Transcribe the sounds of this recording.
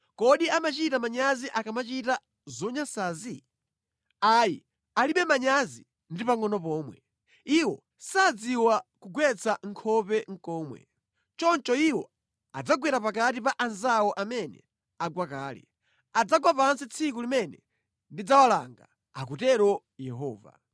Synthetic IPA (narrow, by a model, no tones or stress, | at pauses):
kɔɗiamat͡ʃitamaɲaziʔakamat͡ʃita | zɔɲasazi | aji | aliɓɛmaɲazi | ndipaŋɔnɔpɔːmwɛ | iwɔ | sad͡ziwakuɡwɛt͡sʰaŋ̩kʰɔpɛŋ̩kɔːmwɛ̰ | t͡ʃɔnt͡ʃɔiwɔ | ad͡zaɡwɛɾapakat̬ipaʔanzawɔʔamɛnɛ̰ | aɡwakaːlɛ̰ | ad͡zaɡwapansit͡sʰik̬ulimɛnɛ̰ | ndid͡zawala̰ŋɡa | ak̬utɛɾɔ | jɛɦɔːva̰